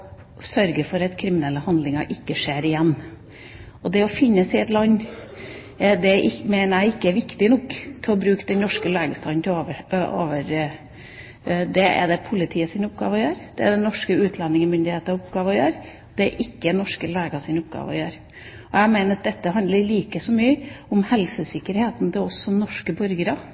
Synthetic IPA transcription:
sœɾɡəfɔɾɑt̪kʰɾɪmɪnɛlːəhɑnd̪lɪŋɑʔɪkːəʂeːɾɪjɛnː | ɔd̪ɛɔfɪnːəsɪɛt̪lɑnː | d̪ɛɪmeɪnəɾæɪɪkːəɛʋɪkt̪ɪnɔkːt̪ʰɪlɔbɾʉːkd̪ɛnnɔʂkəleːɡəst̪ɑːd̪nt̪oʋəo̰ːʋəɾ | d̪ɛɛ̰d̪ɛpʰʊlɪt̪ʰiːəsɪnʊpɡɑ̰ːʋəjøːɾd̪̥ɛæd̪ɛnɔʂkəʉːt̪ʰlɑnːɪŋəmʏnd̪ɪheːt̪əɑʊpɡɑːʋəjøːɾ | d̪̥ɛʔɪkːəɛnɔʂkəleːɡɑsɪnʊpɡɑ̰ːʋə̰jøːɾ | ɔæmeɪnəɾɑt̪d̪ɛt̪ːəɦɑnd̪ləɾliːkəsɔmyːəʊmhɛlsəsɪkːəɾheːt̪nd̪ɛɔsːɔnɔʂkəbɔɾɡəɾɑ

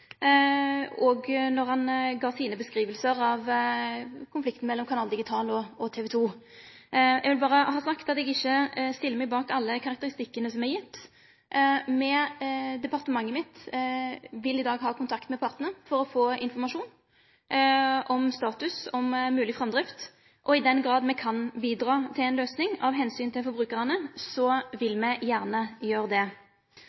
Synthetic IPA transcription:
ɔɡnɔʁhɑnɡɑːsiːnəbəskɾiːʋəlsəɾɑʋ | kʰʊnflɪk̚t̪n̩mɛlːɔmkʰɑnɑːld̪ɪɡɪt̪ʰɑːlɔɔt̪ʰɛːʋɛːt̪ʰuː | jɛɡʋɪlbɑːʁəhɑːsɑkt̪ɑt̪ɛɡɪçːəst̪ɪlːəmæɪbɑːkɑlːəkʰɑɾɑk̚t̪əɾɪst̪ɪkːənəsɔmɛjɪt̪ː | mɛd̪ɛpɑʁt̪əmɑŋːəmɪt̪ | ʋɪlɪd̪ɑːɡɦɑːkʰʊnt̪ʰɑkt̪mɛpʰɑʁt̪nəfɔɾɔfoːɪnfɔʁmɑʂuːn | ʔɔmst̪ɑːt̪ʉsɔmːʉːlɪfʁɑmd̪ɾɪft̪ | ʔɔɪd̪ɛnɡɾɑːd̪mɛkʰɑnbiːd̪ɾɑːt̪ʰɪlɛɪnløːsnɪŋɑʋɦɛnsyːnt̪ʰɪlfɔɾbʁʉːkəʁənəsɔʋɪlmɛjæːʁnəjøːʁəd̪ɛ

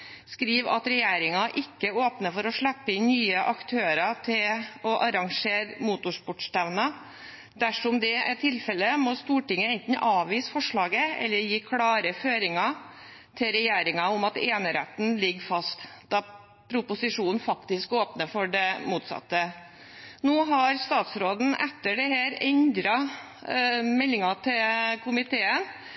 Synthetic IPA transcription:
skɾiːʋɑ̰t̪ɾɛjeːɾɪŋɑʔɪkːəoːpnəfɔɾɔʂɭɛpːəɪnnyːəʔɑkt̪ʰøːɾɑt̪ʰɪlɔʔɑɾɑŋʂeːɾmuːt̪ʊʂpɔʈst̪æʋnɑ | d̪̥æʂɔmd̪ɛɛʈ̪ʰɪlfɛlːəmɔst̪uːʈɪŋːəɛnt̪n̩ʔɑːʋiːsfɔʂɭɑːɡəɛ̰lːəɾjiːkʰɽɑːɾəføːɾɪŋɑ | t̪ʰɪɾɛjeːɾɪŋɑʊmɑt̪eːnəɾɛ̰t̪n̩lɪɡfɑst̪d̪ɑ | pʰɾʊpʊsɪʂuːnnfɑkt̪ɪskoːpnəfɔɖɛmuːt̪sɑ̰t̪ːə | noːɦɑɾst̪ɑːt̪sɾoːd̪n̩ɛt̪ːəɖɛhæːɾɛnd̪ɾɑ | mɛlːɪŋɑt̪ʰɪlkʰʊmɪt̪ʰeːən

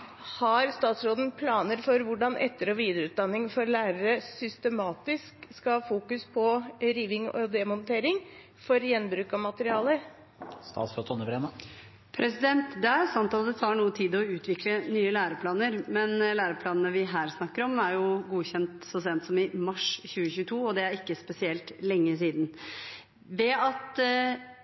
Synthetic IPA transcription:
hɑɾst̪ɑːt̪sɾoːd̪ən̩pʰlɑːnəɾfɔɾʋʊɖɑnʔɛ̰t̪ːəɾɔʋiːd̪əɾʉːt̪̚d̪ɑnːɪŋfɔɾlæːɾəɾəsʏst̪əmɑːt̪ɪskskɑfuːkʉspʰɔɾiːʋɪŋɔ̰d̪ɛmɔnt̪ʰeːɾɪŋ | fɔɾjɛnbɾʉːkɑmɑt̪əɾɪɑːlə | st̪ɑ̰ːt̪sɾoːd̪ʰɔnːəbɾeːnə | pʰɾɛsɪd̪ɛnt̪d̪ɛæɾsɑmt̪ʰɑːlɛt̪ʰɑːɳuːət̪ʰiːd̪ɔʉːt̪ʰʋɪklənyːəlæːɾəpʰlɑːnəɾmɛnlæːɾəpʰlɑːnənəʋɪɦæːɾsnɑkːəɾɔmæɾjʊɡuːçɛnt̪sɔsɛːənt̪sɔmɪmɑʂçʉːəçʉːət̪ʰuːɔd̪ɛæɾɪkːəspɛsɪɛlt̪lɛŋːəsiːd̪n | ʋɛɑt̪

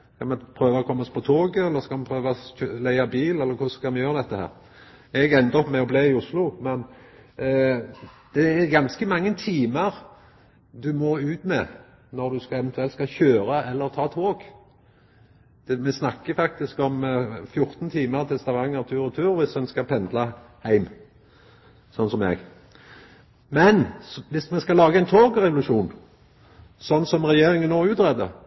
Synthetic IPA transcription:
skʰɑlmɛpʰɾøːʋɔkʰɔmːɔspʰɔt̪ʰoːɡəɛlːəʁskɑlmɛpʰʁøːʋɑølæɪɑbiːlɛlːəɾkʰʊskɑlmɛjøːʁəd̪ɛt̪ːəhæ̰ːʁ | ɛɡɛnd̪ɔmɛɔbleːɪʊslʊmɛn | d̪̥ɛːɾɡɑnskəmɑŋːənt̪ʰiːməʁ | d̪ʉmɔʉːt̪mɛ | nɔɾd̪ʉskɑɛʋɛnt̪ʉɛlt̪skɑçøːɾəʔɛlːəɾt̪ʰɑːt̪ʰoːɡ | d̪̥ɛmɛsnɑkːəfɑk̚t̪ɪskɔmfjʊʁt̪nt̪ʰiːməʁt̪ʰɛst̪ɑʋɑŋːəʁt̪ʰʉːɾɔt̪ʰʉːɾʋɪsɛnskɑpʰɛnd̪lə | hæɪm | sɔnsɔmɛ̰ɡ | mɛnʋɪsmɛnskɑlɑːɡəɛɪnt̪ʰoːɡʁɛʋʊlʉʂuːn | sɔnːsɔmʁɛjeːɾɪŋənːoːʉːt̪ʁɛd̪ə̰

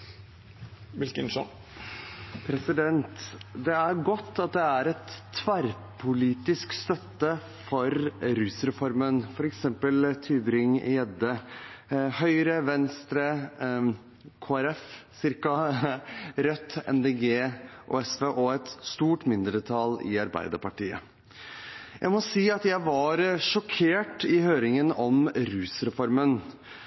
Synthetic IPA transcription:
ʋɪlkɪnʂɔ̰n | pʰɾɛsɪd̪ɛnt̪d̪ɛæɾɡɔt̪ʰːɑt̪̚d̪ɛæɾɛt̪ʰːʋæɾ | pʰʊliːt̪ɪskst̪œt̪ːə | fɔɾɾʉsɾɛfɔɾmənfɔɾɛksɛmpəlt̪ʰyːbɾɪŋ̰jɛd̪ə | hœʏɾəʋɛnst̪ɾə | kʰoːæɾɛfsɪɾkɑ | ɾœt̪ːɛ̰nd̪eːɡeːʔo̰ːɛsʋeːʔɔɛt̪st̪uːʈmɪnd̪ɾət̪ʰɑlɪ̰ɑɾbæ̰ɪd̪əpɑʈiːə̰ | jæ̰ɪmɔsiːɑt̪jæɪʋɑɾʂɔkʰeːʈɪhøːɾɪŋənɔmɾʉːsɾɛfɔɾmən

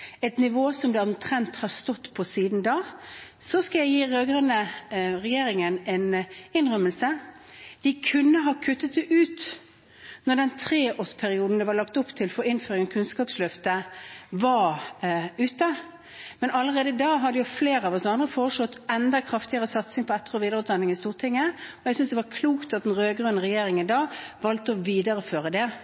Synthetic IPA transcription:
ɛɪt̪nɪʋoːsɔmd̪ɛɔmt̪ʰɾɛnt̪hɑst̪ɔt̪ːpʰɔsiːd̪nd̪ɑːsɔskɑljæɪjiːʁøːɡəʁənəʁɛjeːɾɪŋənɛnɪnʁœməlsə | d̪̥ɪkʰʉnːəɦɑːkʰʉt̪ːət̪d̪ɛʔʉːt̪ | nɔɖ̪ɛnt̪ʰʁeːoːspʰæɾɪuːd̪n̩d̪ɛʋɑɾlɑk̚t̪ʊpt̪ʰɪlfɔɾɪnføːɾɪŋənkʰʉnskɑːpslœft̪əʋɑ | ʉːt̪ə | mɛnɑlːəʁeːd̪əɪd̪ɑːɦɑd̪əjʊfleːɾəɑʋɔsɑnd̪ʁəfoːʁəʂlɔt̪ːɛnd̪ɑkʰʁɑft̪ɪəʁəsɑt̪sɪŋpʰɔɛt̪ːəʁɔʋiːd̪əʁʉːt̪d̪ɛnːɪŋɪst̪uːʁt̪ʰɪŋːəɔjɛɡsʏnsd̪ɛʋɑkʰluːkt̪ɑt̪̚d̪nʁøːɡʁønəʁɛjeːɾɪŋənd̪ɑːʋɑlt̪əɔʋiːd̪əʁəføːʁəd̪ɛ

